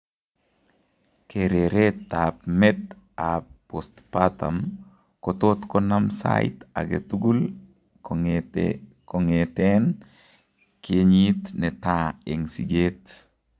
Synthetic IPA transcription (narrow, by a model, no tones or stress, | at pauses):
keɾeɾetːapmet | apː | ost̪pata̰m | kotot̪konamsa̰it̪a̰ɡetuɡul | koŋeten | keɲit̪netaeŋsiɡet̪